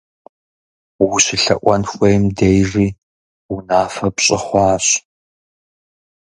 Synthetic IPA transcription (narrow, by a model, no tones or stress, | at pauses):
wʊɕɪɬɐ̰ʔʷɐnxʷejmdejriː | wʊnaːfɐpɕʼɪχʷɑːɕ